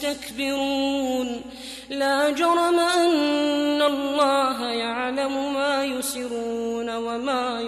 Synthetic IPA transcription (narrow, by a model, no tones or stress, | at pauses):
t̪akbɪɾuːn | laːd͡ʒɑɾˤɑmaʔanːalˤːɑːɦajaʕlamʊmaːjʊsɪɾuːnawamaː